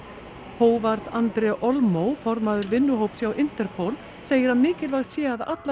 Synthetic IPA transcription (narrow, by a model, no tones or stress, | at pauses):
hoːwvaɾt̪ant̪ɾɛʔɔlmowfɔɾmaðʏɾvɪnːʏɦoːwpsjawʔɪnt̪ɛɾ̥pʰowl | seːjɪɾ̥hanmɪːcɪlvaxt̪sjɛːaða̰t̪l